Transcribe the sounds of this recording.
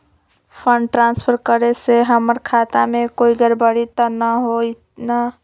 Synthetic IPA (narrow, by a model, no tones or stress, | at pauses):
pʰəɳɖʈɾãːnspʰəɾkəɾeseɦəməɾkʰat̪amẽkoːiɡəɾbəɽit̪ənaɦo | na